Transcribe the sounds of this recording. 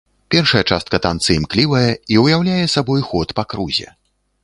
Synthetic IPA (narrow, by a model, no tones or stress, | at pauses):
pʲɛrʂɐjɐt͡ʂast̪̚kɐt̪ant̪sɨimklʲivɐjɛiwjawlʲajɛsabɔjxɔt̪pakɾuzʲɛ̰